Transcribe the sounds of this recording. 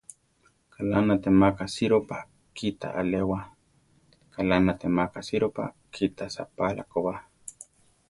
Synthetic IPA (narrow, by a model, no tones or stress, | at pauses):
kʰalanat̪emakasiɾopa | kit̪a̰ʔalewa | kalanat̪emakasiɾopa̰ | kʰit̪asa̰pala̰kowa